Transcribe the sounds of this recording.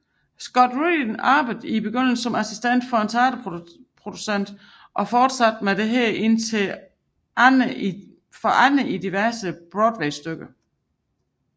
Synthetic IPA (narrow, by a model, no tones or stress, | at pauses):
sɡ̥ɒ̽d̥ʁidənɑːb̥əðˠibe̝ɡ̥øn̰l̩sɒ̽mæsisd̥en̰d̥fɒ̽ent͡sʰɑ̈ːd̥əpʰʁo̝d̥usen̰d̥ | ʔɒ̽fɒːd̥sæd̥med̥e̝ɦɛɐʔe̝n̰t͡sʰe̝ | fɒʔænəʔid̥iʋæɐsəb̥ʁɔd̥ʋeɪsd̥øɡ̥ə